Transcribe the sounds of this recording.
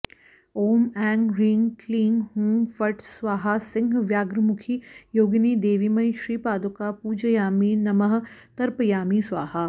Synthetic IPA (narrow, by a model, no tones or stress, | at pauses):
oːmɛ̃ːŋɡɾɪŋɡkliːŋɡɦũːmfɐʈswaːɦasɪ̃ŋɡʱʋjaːɡɾəmʊkʰijoːɡnid̪eːʋimɐjʃɾiːpaːd̪ukapuːd͡ʒɐjaːminɐmɐɦt̪ɐɾpɐjaːmisʋaːɦa